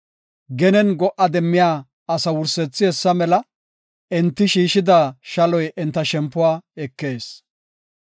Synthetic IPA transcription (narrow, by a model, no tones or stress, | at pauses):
ɡɛnɛnɡɔʔɐd̪ɛmːɪjaː | ɐsɐwʊɾsɛt͡sːɪɛsːɐmɛlɐ | ɛnt̪ːɪʃiːʃɪd̪aːʃɐlɔjʔɛnt̪ːɐʃɛmpːʊwaːɛkːeːs